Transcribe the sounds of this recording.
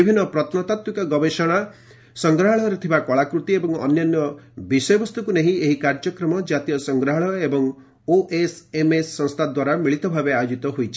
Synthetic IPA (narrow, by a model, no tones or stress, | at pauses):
ibʱinːɔpɾɔt̪nɔt̪at̪wikɔɡɔbeʃɔɽ̃a | sɔŋɡɾaɦɔɭɔɾet̪ʰibakɔɭakɾut̪iebɔŋɔ̰njɔnjɔbisɔjɔbɔst̪ukuneɦĩeɦikaɾd͡ʒɔkɾɔmɔd͡ʒat̪ijɔsɔŋɡɾaɦɔɭɔebɔŋ | oʔesemesːɔŋst̪ʰad̪waɾamiɭit̪ɔbʱabeajod͡ʒit̪ɔɦojt͡ʃʰi̥